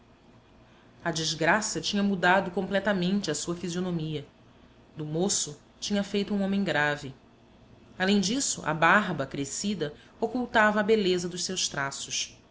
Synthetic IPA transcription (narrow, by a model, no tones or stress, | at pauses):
ɐd͡ʒizɡɾasɐt͡ʃĩɲɐmud̪ad̪ʊkõmplɛt̪ɐmẽnt͡ʃɪɐsuɐfizionomiɐ | d̪ʊmosʊ | t͡ʃĩɲɐfejt̪ʊũõmẽɡɾavɪ | alẽj̃d͡ʒisʊʔɐ̰baɦbɐkɾesid̪ɐ | okuwt̪avɐːbelezɐd̪ʊʃsewʃt̪ɾasʊʃ